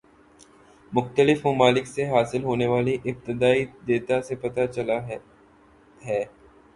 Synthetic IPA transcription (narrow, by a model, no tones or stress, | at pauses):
mʊxt̪əlɪfmʊmaːlɪkseɦaːsɪlɦoːneʋaːliʔɪb̚t̪ɪd̪aːid̪eːt̪asepɐt̪at͡ʃɐla | ɦɛː